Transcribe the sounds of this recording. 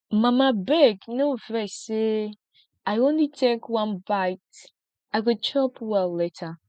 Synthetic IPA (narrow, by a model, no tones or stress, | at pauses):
mãmãbɛɡnovɛse | aɪõnlitʰekwãnbaɪt | aɪkɔd̚t͡ʃʰɔpʰwɛlɛtʰa